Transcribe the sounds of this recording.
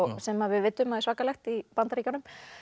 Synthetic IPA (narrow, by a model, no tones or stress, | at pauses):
sɛmːavɪðvɪt̪ːʏmaðɪ̥ɾsvaːkːalɛxt̪ipant̪aɾiːcanʏm